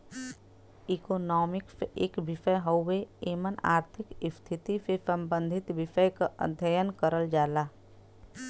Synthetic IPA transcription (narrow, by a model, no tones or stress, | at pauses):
iːkoːnɔːmɪkseʔeːkbɪʃəjɦəʊːeeːməna̰ːɾt̪ʰɪkɪst̪ʰɪt̪isesə̃mbə̃nd̪ʱɪt̪ʋɪʃəjkaʔə̰d̪ʱːjəjənkəɾəld͡ʒaːlaː